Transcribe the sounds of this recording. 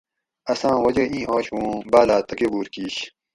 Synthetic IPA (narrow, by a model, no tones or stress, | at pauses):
ɐsãːwɐd͡ʑɐʔĩːʔoːɕwũːbaːlaːt̪ɐkebuːɾkiːɕ